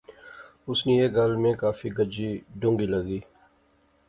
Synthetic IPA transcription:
ʊsnĩeːɡəlmẽkaːfiɡəd͡ʒiɖʊ̃ŋɡiləɡiː

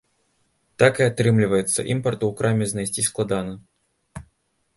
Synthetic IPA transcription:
t̪akɨat̪ɾɨmlʲɪvəjɪt̪sːə̰ʔḭmpɐrt̪uːkɾamʲɪznɐjsʲtʲisʲklˠad̪anɐ

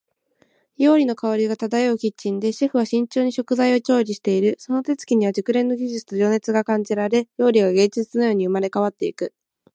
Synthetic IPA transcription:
jo̞ːɾʲino̞kaoɾʲiɡat̪ad̪ajaɯ̟kʲit͡ɕːĩnd̪e̞ɕe̞ɸɯ̟β̞aɕĩɲ̟t͡ɕo̞ːɲ̟iɕo̞kɯ̟zaio̞t͡ɕo̞ːɾʲiɕi̥t̪e̞iɾɯ̟so̞no̞t̪e̞t͡sɨ̥kʲiɲ̟iβad͡ʑɨkɯ̟ɾẽ̞nːo̞ɡʲiʑit͡sɨ̥t̪o̞ʑo̞ːne̞t͡sɨɡakãɲ̟d͡ʑiɾaɾe̞jo̞ːɾʲiɡaɡẽ̞ɲd͡ʑit͡sɨno̞jo̞ːɲ̟iɯ̟maɾe̞kaβ̞at̪ːe̞ikɯ̟

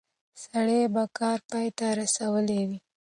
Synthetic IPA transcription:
saɽebakɑɾpɑjt̪aɾasawəlewi

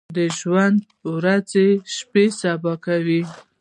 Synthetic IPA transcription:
d̪əʒwand̪ | wɾazeʃpesabɑkawi

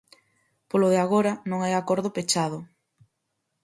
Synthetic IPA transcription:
poloðeaɣoɾɐnõŋajakoɾðopet͡ʃaðʊ

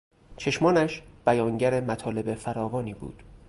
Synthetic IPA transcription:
t͡ʃʰe̞ʃmɒːnæʃb̥æjɒːŋɟæɾemæt̪ʰɒːle̞be̞fæɾɒːvɒːniːbṵːd̪̥

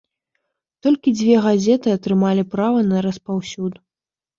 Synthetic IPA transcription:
t̪ɔlʲkʲid͡zʲvʲɛɣazʲɛt̪ɨɐt̪ɾɨmalʲipɾavɐnɐɾɐspawsʲud̪

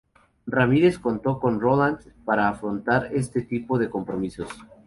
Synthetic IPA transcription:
ramiɾe̞sko̞nt̪o̞ko̞nro̞land̪paɾaːfɾo̞nt̪aɾe̞st̪e̞t̪ipo̞ðe̞ko̞mpɾo̞miso̞s

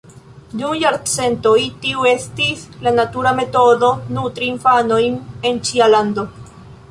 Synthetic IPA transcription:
dumjaɾt͡se̞ntojtiue̞stislanatuɾame̞to̞do̞nutɾiːnfano̞jne̞nt͡ʃialando̞

